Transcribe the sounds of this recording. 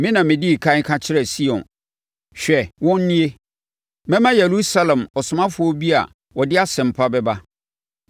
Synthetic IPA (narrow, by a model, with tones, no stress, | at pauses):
mɪ̃˦nã˨mɪ̃˨di˦˨kʰa˦ŋ̩˦kʰã˦t͡ɕʰɪ˦ɾɛ˨si˦ɔ̰̃˨n | ɕᶣɛ˨wɔ̃˦n˦nĩ˦e˦ | mɛ̃˦mã˦je˨ɾu˦sa˦lɛ̃˨mɔ˨sʊ˨mã˦fʊ˨˦ɔ˦bi˦a̰˨ | wɔ˨dɪ˦a˦sɛ̃˨m̩˨pʰa˦bɛ˦ba˦